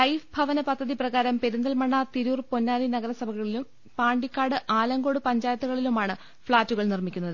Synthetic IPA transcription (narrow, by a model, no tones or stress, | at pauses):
lɐjfbʱɐʋɐnɐpɐd̪ʱːɐðiprɐɣaːɾɐmpeɾund̪ɐlmɐɳːɐt̪iɾuːrpo̞nːaːlinɐɣɐɾɐsɐbʱɐɣɐɭilum | paːɳɖikʲːaːɽɨʔaːlɐŋɡo̞ːɽɨpɐɲd͡ʑaːjɐt̪ːuɣɐɭilumaːɳɨ | fɭaːtːuɣɐɭnirmikʲːunːɐðɨ